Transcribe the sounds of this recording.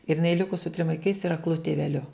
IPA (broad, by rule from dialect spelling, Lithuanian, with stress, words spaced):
ɪr jɪˈnɐɪ ˈlʲɪkʊ sʊ tʲrʲɪm ʋɐɪˈkɐɪs ɪr ɐkˈlˠʊ tʲɪʋʲɛˈlʲʊ